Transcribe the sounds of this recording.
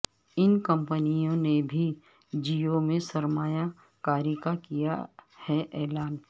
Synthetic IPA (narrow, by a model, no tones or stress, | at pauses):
ɪnkə̃mpənijõnebʱi | d͡ʒiomẽsɐɾmaːja | kaːɾikakija̰hɛʔɛːlaːn